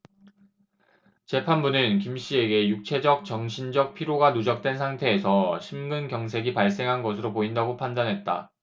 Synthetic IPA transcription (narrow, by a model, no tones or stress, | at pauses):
t͡ɕe̞pʰanbunɯnkimɕ͈ie̞ɡe̞juk̚t͡ɕʰe̞d͡ʑʌk̚t͡ɕʌŋɕʰind͡ʑʌk̚pʰiɾjoɡanud͡ʑʌk̚t͈we̞nsʰaŋtʰe̞ːsʰʌɕʰimɡɯnkjʌŋs̬ʰe̞ɡipaɭs͈e̞ŋɦanɡʌsʰɯɾopoindaɡopʰandanɦet̚t͈a̰